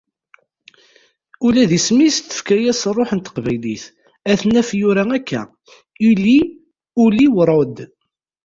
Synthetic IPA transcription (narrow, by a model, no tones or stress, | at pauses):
ulæðismist̪ːə̥fkæjæsrˤːoħənt̪ːə̥qvæjliθ | æθnæfjʊɾæækːæ̰ | ili | uliwɾˤod̪